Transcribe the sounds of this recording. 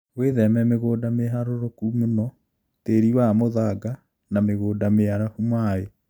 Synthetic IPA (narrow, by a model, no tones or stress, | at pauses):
weðɛmɛmeɣoːdameɦaɾoɾokumenɔ | teɾiwamoðaɡa | nameɣoːdameaɾafumae